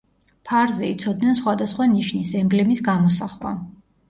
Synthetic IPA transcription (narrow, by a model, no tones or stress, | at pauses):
pʰaɾzɛit̪sʰɔd̪̚nɛnsχwad̪asχwaniʃnisɛmblɛmisɡamɔsaχwa̰